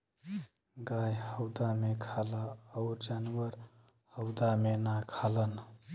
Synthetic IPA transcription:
ɡajɦəwd̪amekʰalaəʊɾd͡ʒanwəɾ | həwd̪amenakʰalən

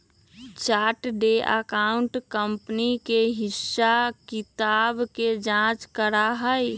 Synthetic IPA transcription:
t͡ʃaːʈɖeʔə̰kaʊɳʈkəmpnikeɦɪsakɪt̪aːbked͡ʒãt͡ʃkəɾaɦəj

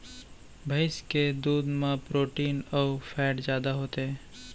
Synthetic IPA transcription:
bʱəɪsked̪uːd̪mãpɾoːʈiːnɔʊfʰɛːʈzjaːd̪aɦoːt̪eɦɛ

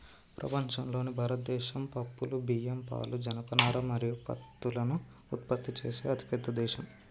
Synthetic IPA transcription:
pɾɐ̰pɐɲt͡ʃɐmlo̞ːnibʱɐɾɐt̪̚d̪ɛːʃɐmpɐpːulubiːjempa̰ːlud͡ʒɐnɐpɐnaːɾɐmːɐɾijupɐ̰t̪ːulɐnuː | t̪pɐt̪ːit͡ʃeːsḛːɐd̪ʱi̥pɛd̪ːɐd̪ɛːʃɐm

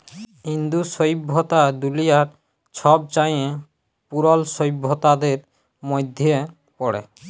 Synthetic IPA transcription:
ɦind̪usojbʱːɔt̪ad̪ulijaɾ | t͡ɕʰɔb̚t͡ɕaje | puɾɔlsojbʱːot̪ad̪eɾ | mojd̪ʱje | pɔɽḛ

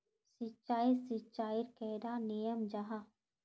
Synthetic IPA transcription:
sɪt͡ʃaːisit͡ʃaːjɾkɛːɾanijəmd͡ʒaɦa

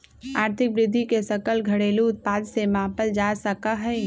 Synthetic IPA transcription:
aːɾt̪ʰɪk̚bɾɪd̪ʱːikesəkəlɡʱəɽeːluʊt̪̚paːd̪semãːpəld͡ʒaːsəkaɦɛj

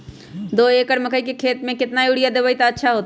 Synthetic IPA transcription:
d̪oːeːkəɽməkəikekʰeːt̪mẽkɪt̪najuɽijad̪eːbəit̪aətːʃʰaɦoːt̪

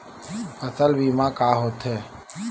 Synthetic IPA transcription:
ət̪əlbiːmãːkaːɦoːt̪ɦɛː

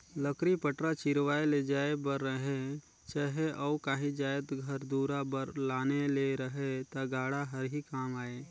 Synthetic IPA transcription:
ləkɾipəʈɾat͡ʃɪɾwaːeled͡ʒaːebəɾːəɦẽ | t͡ʃaːɦeʔɔːkaːɦid͡ʒaːət̪ɡʱɐɾd̪uːɾabəɾlaːneleɾəɦet̪aɡaːɽaɦəɾɦikaːmaːeː

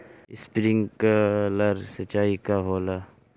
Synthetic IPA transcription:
ɪspɾɪŋɡklɐɾsɐt͡ʃːaːikaɦoːla

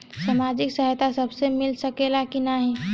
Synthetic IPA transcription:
samaːd͡ʒɪksəɦjt̪asɐbsemɪlsəkelakinaɦĩ

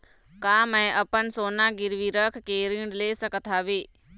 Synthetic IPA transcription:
kaːmɛ̃ːʔɐpənsoːnaːɡɪɾʋiɾəkʰkeːɾĩːɳɖleːsɐkət̪ʰaːʋeː

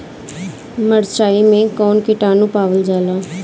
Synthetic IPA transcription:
məɾt͡ʃaːimẽkɔːnkɪʈaːnũpaːʋəld͡ʒaːlaː

